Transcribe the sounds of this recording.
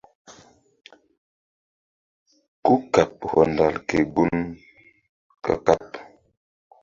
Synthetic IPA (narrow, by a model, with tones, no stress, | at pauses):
ku˦ka˨p̚hɔ˨nda˨lke˨ɡu˦n | ka̰˨ka˦p